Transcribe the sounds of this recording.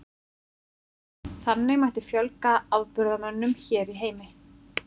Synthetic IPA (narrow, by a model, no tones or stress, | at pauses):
θanːɪɣmajht̪ɪfjœlkaawðpʏɾðamœnːʏmçɛːɾiɦeːjmɪ